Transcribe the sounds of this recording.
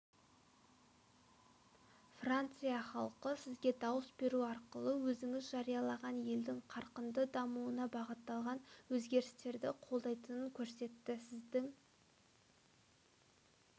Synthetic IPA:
frant̪sɨjɑχɑlˠqəsɪzɡʲe̞d̪ɑwəsbe̞ɾuɑɾqəlˠəwɵzɪŋɪzʒɑɾijɑlˠɑʁɑnje̞ld̪ɪŋqʰɑɾqənd̪əd̪ɑmuənɑbɑʁət̪ːɑlˠʁɑnwɵzɡʲe̞ɾɪst̪e̞ɾd̪ɪqʰo̞lˠd̪ɑjt̪ənəŋkʲʰɵɾse̞t̪ːɪsɪzd̪ɪŋ

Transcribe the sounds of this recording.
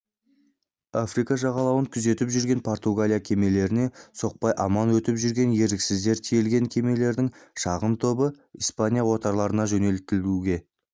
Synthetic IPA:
afrikɑʒɑʁɑlˠɑwəŋkʲʰʏze̞t̪ɪpʒʏɾɡʲe̞npʰo̞rt̪uɡalʲijakʲʰe̞me̞le̞ɾɪne̞so̞q̚pɑjʔɑmɑnwɵt̪ɪpʒʏɾɡʲe̞nje̞ɾɪksɪzd̪e̞ɾt̪ʰijelɡʲe̞ŋkʲʰe̞me̞le̞ɾd̪ɪŋʃɑʁəmt̪ʰo̞bə | ijspanʲijawo̞t̪ɑɾlˠɑɾənɑʒɵne̞l̚t̪ɪluɡʲe̞

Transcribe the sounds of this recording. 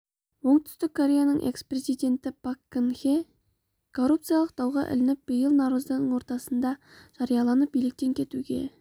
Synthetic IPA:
wo̞ɴt̪ʰʏ̥st̪ɪkʰːo̞ɾʲe̞janəɴʔe̞̰kspre̞zijd̪e̞nt̪ɪpakːənxe | kʰo̞rːup̚t̪sɨjɑlˠəq̚d̪ɑwʁɑ̰ʔɪ̰lɪnɪp̚b̥əjəlˠnɑɾuzd̪ɑnəɴwo̞ɾt̪ɑsənd̪ɑʒ̥ɑɾijɑlˠɑnəp̚bijlɪk̚t̪e̞ŋkʲʰe̞t̪uɡʲe̞̰

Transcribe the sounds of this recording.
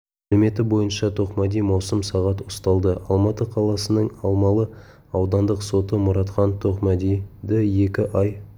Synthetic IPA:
ælɪme̞t̪ɪbo̞jənʃɑt̪ʰo̞qmæd̪ijmɑwsəmsɑʁɑt̪ʊst̪ɑlˠd̪əʔɑ̰lˠmɑt̪əqʰɑlˠɑsənəɴɑlˠmɑlˠə | ɑwd̪ɑnd̪əqso̞t̪əmʊɾɑt̪qɑnt̪ʰo̞qmæd̪ijd̪ɪje̞kʲɪʔɑj

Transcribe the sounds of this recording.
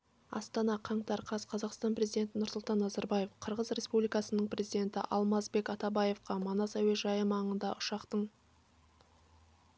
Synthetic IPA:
ɑ̰st̪ɑnɑqʰɑɴt̪ɑɾqʰɑzqʰɑzɑqst̪ɑnpre̞zijd̪e̞nt̪ɪnʊɾsʊlˠt̪ɑnːɑzɑɾbɑje̞fqʰəɾʁəzɾʲe̞spublijkɑsənəɴpʰrʲe̞zid̪e̞nt̪ɪ̰ʔɑlˠmɑsbe̞kɑt̪ɑbɑje̞fqɑmɑnɑsaweʒɑjəmɑɴənd̪ɑʔʊʃɑqt̪əɴ

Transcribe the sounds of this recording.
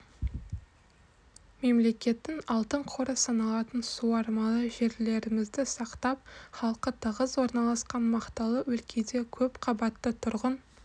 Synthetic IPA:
me̞mle̞kʲe̞t̪ːɪŋɑlˠt̪əɴqʰo̞ɾəsɑnɑlˠɑt̪ənsuɑɾmɑlˠəʒe̞ɾle̞ɾɪmɪzd̪ɪsɑqt̪ɑp̚χɑlˠqət̪ʰəʁəzwo̞ɾnɑlˠɑsqɑnmɑqt̪ɑlˠəwɵlkʲʰe̞d̪e̞kʲʰɵpqʰɑbɑt̪ːət̪ʰʊɾʁən

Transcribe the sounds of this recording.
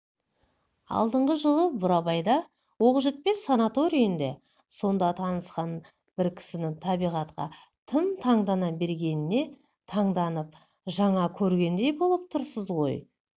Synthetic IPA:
ɑ̰lˠd̪əɴʁəʒəlˠəbʊɾɑbɑjd̪ɑ | wo̞qʒɪt̪̚pe̞sanat̪o̞ɾijənd̪e̞ | so̞nd̪ɑt̪ʰɑnəsqɑn | b̥ɪɾkʲʰɪ̥sɪnɪŋt̪ʰɑbijʁɑt̪qɑ̰ | t̪ʰəmt̪ʰɑɴd̪ɑnɑbe̞ɾɡʲe̞nɪne̞ | t̪ʰɑɴd̪ɑnəp̚ | ʒɑɴɑkʲʰɵɾɡʲe̞nd̪e̞jbo̞lˠəp̚t̪ʰʊɾsəzʁo̞̰j

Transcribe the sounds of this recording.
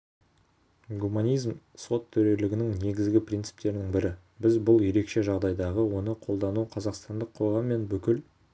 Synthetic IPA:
ɡumanʲijzmso̞t̪ʰːʏɾe̞lɪɡʲɪnɪŋne̞ɡʲɪzɡʲɪprʲijnt̪sɨ̥pt̪e̞ɾɪnɪŋbɪɾɪ | bɪzbʊlˠje̞ɾe̞kʃe̞ʒɑʁd̪ɑjd̪ɑʁəwo̞nəqʰo̞lˠd̪ɑnuqʰɑzɑqst̪ɑnd̪əqʰːo̞ʁɑmːe̞nbʏkʲɪl

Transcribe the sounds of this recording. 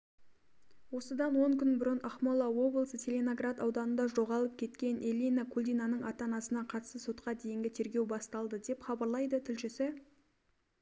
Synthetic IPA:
wo̞səd̪ɑnwo̞ŋkʲʰʏnbɪɾʏnʔɑχmolˠɑwo̞bləəsət̪ʰʲelʲenoɡrat̪ɑwd̪ɑnənd̪ɑʒo̞ʁɑlˠəp̚kʲʰe̞t̪kʲe̞nelʲijnakʰulʲd̪ijnanəɴɑt̪ɑnɑsənɑqʰɑt̪əst̪əso̞t̪qɑd̪e̞jɪŋɡʲɪt̪ʰe̞ɾɡʲe̞wbɑst̪ɑlˠd̪əd̪e̞pχɑbɑɾlˠɑjd̪ət̪ʰɪlʃɪsɪ

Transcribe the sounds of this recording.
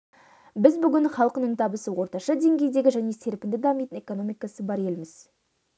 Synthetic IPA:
bɪzbʏɡʲɪnχɑlˠqənəɴt̪ʰɑbəsəwo̞ɾt̪ɑʃɑd̪e̞ŋɡʲe̞jd̪e̞ɡʲɪʒæne̞se̞ɾpɪnd̪ɪd̪ɑmijt̪ɪne̞ko̞no̞mijkɑsəbɑɾe̞lmɪz

